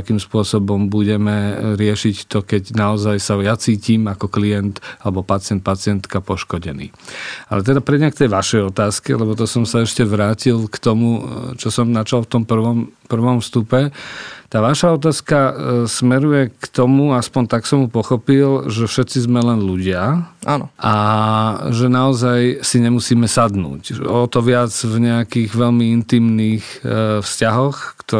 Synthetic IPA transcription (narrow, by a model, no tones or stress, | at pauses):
akiːmspʊɔsɔbɔmbuɟɛmɛɾɪɛʃict̪ɔkɛɟnaɔzajsajat͡siːciːmakɔklijɛnt̪alɛbɔpat͡sɪɛnt̪̚pat͡sɪɛnt̪kapɔʃkɔɟɛnḭːa̰lɛt̪ɛd̪apɾɛdɲakt̪ɛjʋaʃɛjɔt̪aːskɛ̰lɛbɔt̪ɔsɔmsaɛʃcɛʋɾaːcilkt̪ɔmut͡ʃɔsɔmnat͡ʃalft̪ɔmpr̩ʋɔmpr̩ʋɔmfst̪upɛt̪aːʋaʃaɔt̪̬aːskasmɛɾujɛkt̪ɔmuaspɔnt̪aksɔmupɔxɔpilʒɛfʃɛt̪t͡sizmɛlɛnluɟɪaʔanɔʔa | ʒɛnaɔzajsiɲɛmusiːmɛsad̪nṵːcɔt̪ɔʋɪad͡zvɲɛakiːɣʋɛʎmiint̪iːmniːxfscaɦɔxkt̪ɔ